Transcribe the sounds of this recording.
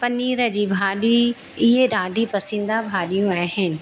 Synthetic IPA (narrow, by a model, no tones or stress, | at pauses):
pɐnːiːɾɐd͡ʒibʱaːɖi | eɖãːɖipɐsɪ̃nd̪abʱaːlijõɛːhɛ̃n